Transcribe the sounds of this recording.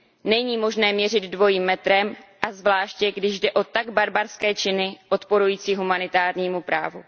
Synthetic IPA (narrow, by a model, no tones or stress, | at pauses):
nɛɲiːmo̞ʒnɛːmɲɛrɪd̪dvo̞jiːmːɛt̪ɾɛmʔazvlaːʃcɛɡdɪʒdɛʔo̞t̪aɡbaɾbaɾskɛːt͡ʃɪnɪʔo̞t̪po̞ɾujiːt͡siːɦumanɪt̪aːɾɲiːmupɾa̰ːvu